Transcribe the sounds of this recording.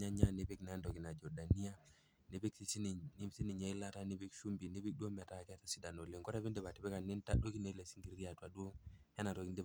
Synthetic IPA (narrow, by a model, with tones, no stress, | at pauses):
a˦ɲa˦ne˨˦pe˦knɛ˨˦ndɔ˨ki˨na˨d͡ʒɔ˨da˨ni˦a˦ | ne˨be˦ksi˦si˦n˨ni˦msi˦ni˨ɲa˨˦i˦la˦ta˦ne˦pi˦kʃu˦mbi˨ne˦bi˦k̚du˦o˦mɛ˨ta˦˨kɛ˦tḁ˦si˦da˨no˨le˨ŋɡɔ˦ɾɛ˦βi˦nde˦βa˨tɪ˨bɛ˦ka˨ne˦nta˦do˦ki˦ne˨˦lɛ˨si̥˦ŋɡi˨ɾi˦a˨twa˨ɗu˦o˦hɛ˦na˨tɔ˨ki˦nde˦